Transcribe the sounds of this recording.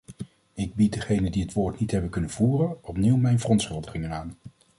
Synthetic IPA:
ɪɡ̚bit̚dəχejnəndiɦətʋoːɹtnitɦɛbənkɵnənvuːrənɔpniwmɛjnvərɔntsχɵlˠdəχɪŋənaːn

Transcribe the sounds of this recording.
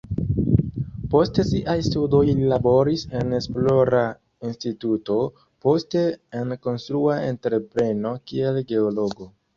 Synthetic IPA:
po̞stesiʔajstudo̞jlilabo̞ɾise̞ne̞splo̞ɾa | instituto̞ | po̞ste̞enko̞nstɾuae̞̰ntɾe̞pɾe̞no̞kie̞lɡe̞olo̞ɡo̞

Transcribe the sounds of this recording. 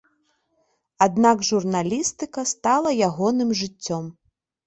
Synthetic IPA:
ad̪naɡʐurnalʲist̪ɨkɐst̪alˠɐjaɣɔnɨmʐɨt͡sʲːɔm

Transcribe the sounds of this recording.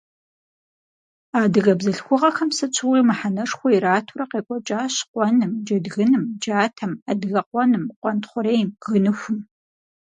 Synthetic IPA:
aːdɨɣɐbzɐɬxʷʊʁɐxɐmsɨt͡ʃʷʰɨwimɨħanɐʂxʷɔiɾaːtʰuɾɐqeːkʷʼɔt͡ʃʼaːɕqʷɔnɨmd͡ʒɐdɣɨnɨmd͡ʒaːtʰɐmadɣɐqʷɔnɨmqʷɔntχʷʊɾeːjmɣɨnɨxʷʊm

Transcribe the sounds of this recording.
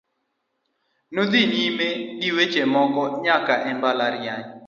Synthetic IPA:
nod̪inimediwet͡ʃemɔɡɔɲakaʔɛmbalaɾjaɲ

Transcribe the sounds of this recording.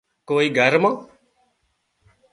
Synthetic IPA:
koːiːɡʱəɾmãː

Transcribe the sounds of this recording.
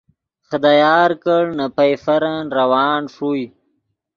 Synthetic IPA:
χad̪ajaːɾkəɽnapajfaɾanɾawaːnʂuj

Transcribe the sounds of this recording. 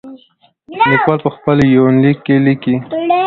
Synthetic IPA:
likwalpəxpəljownlikːeliki

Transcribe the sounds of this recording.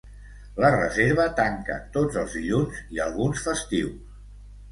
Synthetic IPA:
lərə̰zeɾβ̞ət̪aŋkə̰t̪od͡zəlˠzðiʎunziəlˠɣunsfəst̪iws

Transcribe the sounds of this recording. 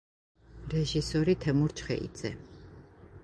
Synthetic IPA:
ɾɛʒisɔɾit̪ʰɛmuɾt͡ʃʰχɛ̰ʔḭd̪z̥ɛ

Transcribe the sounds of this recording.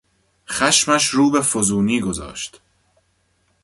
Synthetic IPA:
xæʃmæʃɾuːbefozuːniːɡo̞zɒ̰ːʃt̪

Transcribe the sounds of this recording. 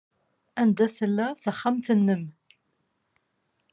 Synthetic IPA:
ænd̪æθəlːæθəχːamθənːəm

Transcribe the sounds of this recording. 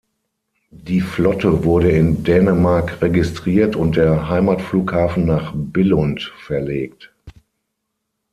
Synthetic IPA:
d̥iːflɔtəvʊɐɾəɪndɛːnəmaɐkʁeɡɪstʁ̥iːɐtʊnt̚d̥eːɐɦaɪmaːtfluːkhaːfn̩naːχbɪlɔntfɛɐleːkt

